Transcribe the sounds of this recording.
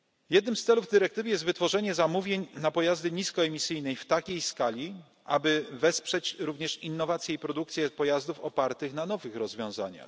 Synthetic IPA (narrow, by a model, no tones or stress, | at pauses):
jɛd̪nɘmst̪sɛluvd̪ɘɾɛk̚t̪ɘvɘjɛst̪vɘt̪fɔʐɛɲɛzamuvʲjeɲnapɔjazd̪ɘɲiskɔɛmʲisɘjnɛjft̪akʲejskalʲi | ʔa̰bɘvɛspʂɛt͡ɕɾuvɲɛʂinːɔvat̪sʲjɛipɾɔd̪uk̚t̪sʲjɛpɔjazd̪ufɔpaɾt̪ɘxnanɔvɘxɾɔzvʲjɔ̃w̃za̰ɲa̰x